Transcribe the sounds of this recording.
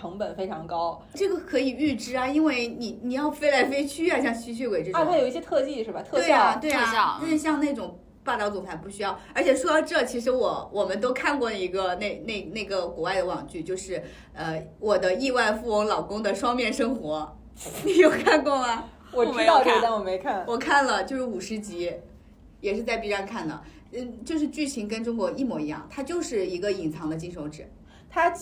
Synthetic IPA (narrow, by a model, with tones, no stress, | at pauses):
ɤ˧˥ŋpə˨˩nfe˥ɪʈ͡ʂʰɑ˧˥ŋkɑ˥ʊ | ʈ͡ʂɤ˥˩ɡə˩kʰɤ˧˥i˨˩y˥˩˧ʈ͡ʂɻ̩˥ɐ˨i˥nwe˥˩ɪni˨˩ni˨˩jɑ˥˩ʊfe˥ɪla˧˥ɪfe˥ɪt͡ɕʰy˥a˧˩ɕjɑ˥˧ŋt͡ɕʰy˥t͡ɕʰy˥we˧˩ʈ͡ʂɻ̩˥˧a˥˧˥jo˨˩ʊi˥˩ɕjɛ˥t̪ʰɤ˥˧t͡ɕi˥˩ʂɻ̩˥˩ba˨˩t̪ʰɤ˥twe˥˩˥a˩t̪we˥˩ɪɐ˥˧a˥˧ʂɻ̩˥˧ɕjɑ˥˧ŋne˥˩ʈ͡ʂʊ˨˩ŋ | pa˥˩t̪ɑ˥ʊt͡sʊ˧˥ŋt̪ʰa˧˥ɪpu˥˩ɕy˥jɑ˥˩ʊə˞˧˥t͡ɕʰjɛ˨˩ʂwɔ˥ɑ˥ʊʈ͡ʂɤ˥˩t͡ɕʰi˧˥ʂɻ̩˧˥wɔ˨˩wʔɔ˨˩mə˧˦nt̪o˥ʊkʰa˥˧nkwɔ˥˩lə˩i˧˥ɡə˧ne˥˧ɪne˥˩ɪne˥˩ɪɡə˩kwɔ˧˥wa˥˩ɪd̪ə˩wɑ˨˩ŋt͡ɕy˥˩t͡ɕjo˥˧ʊʂɻ̩˥˩ | ə˧wɔ˨˩d̪ə˦i˥˧wa˥˧ɪfu˥˩ʊ˧˥ŋlɑ˨˩ʊkʊ˥ŋd̪ə˨ʂwɑ˥ŋmjɛ˥˩nʂɤ˥ŋxwɔ˧˥ | ni˨˩jo˥˩ʊkʰa˥˧nkwɔ˥˩mɐ˩ | wɔ˨˩tʰi˧˥ɑ˥˧ʊʈ͡ʂɤ˥˧d̪ə˥˩wɔ˨˩me˧˥ɪkʰa˥˩nwɔ˨˩kʰa˥˩nlə˩t͡ɕjo˥˧ʊʂɻ̩˥˩u˨˩ʂɻ̩˧˥t͡ɕi˧˥ | jɛ˨˩ʂɻ̩˥˧t͡sa˥˩ɪpi˧˥ɻa˧˥nkʰa˥˩nd̪ə̰˩˥˩ | t͡ɕjo˥˧ʊʂɻ̩˥˧t͡ɕy˥˩t͡ɕʰi˧˥ŋkə˥nʈ͡ʂʊ˥ŋkwɔ˧˥i˥˩mwɔ˧˥i˧˥jɑ̰˥˩ŋt̪ʰa˥t͡ɕjo˥˧ʊʂɻ̩˥˩i˧˥ɡə˧i˨˩ŋt͡sʰɑ˧˥ŋd̪ə˧t͡ɕi˥˩nʂo˧˥ʊʈ͡ʂɻ̩˨˩˦ | t̪ʰa˥